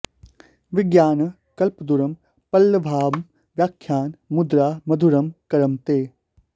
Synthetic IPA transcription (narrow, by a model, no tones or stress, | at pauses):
ʋɪɡjaːnɐ | kɐlpəd̪uɾɐm | pɐlːəbʱaːm | ʋjaːkʰːjaːnmʊd̪ɾaːmɐd̪ʱuɾɐmkɐɾɐmt̪eː